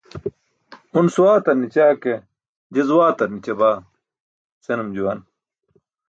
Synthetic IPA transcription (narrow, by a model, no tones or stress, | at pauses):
unsuwaːt̪ɐɾnit͡ɕaːke | d͡ʑɐzuwaːt̪ɐɾnit͡ɕɐbaː | senumd͡ʑuwɐn